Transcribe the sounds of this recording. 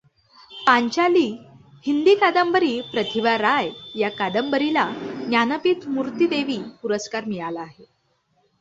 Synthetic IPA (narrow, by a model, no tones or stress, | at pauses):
p̪ãɲt͡ɕaliː | hind̪iːkad̪əmbəɾiːpɾət̪ʰiʋaɾajjakad̪əmbəɾilanjanəpiːt̪muɾt̪id̪eʋiːpuɾəskaɾmiɭalaːɦe